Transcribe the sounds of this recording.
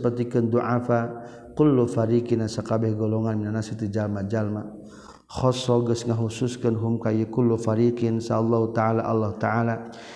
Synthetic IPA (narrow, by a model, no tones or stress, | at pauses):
pərt̪ikənd̪uʔafa | kʊlːufaɾikinasakabɛhɡɔlɔŋanminanasit̪ud͡ʒalmad͡ʒalma | xɔsɔɡəsŋaɦusʊskənɦʊmkajikʊlːufaɾikɪnsaːlːaɦut̪aʕalaʔalːaht̪aʕala